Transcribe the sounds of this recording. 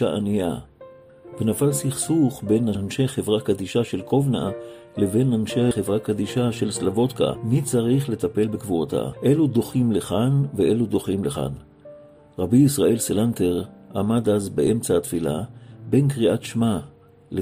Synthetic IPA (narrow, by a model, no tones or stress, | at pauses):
aʔanija̰ | benafalsiχsuχbe̞nanʃe̞χe̞vʁakad̪iʃaʃe̞lkʰovna̰ | le̞ve̞nːanʃeχevʁakad̪iʃaʃe̞lslavo̞t̪ka̰mit͡saʁiχle̞t̪ape̞lbekvuʁat̪a̰ʔe̞lud̪o̞χimleχanveʔe̞lud̪o̞χimleχa̰n | ʁabiisʁae̞lselant̪e̞ʁamad̪azbeʔe̞mt͡saat̪fila̰be̞nkʁiʔatʃma | le